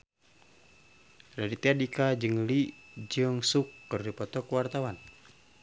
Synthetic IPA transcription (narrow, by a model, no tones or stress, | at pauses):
radit̪eadikad͡ʒɨŋlid͡ʒɨŋsukːɨrdipɔt̪ɔkuwart̪awan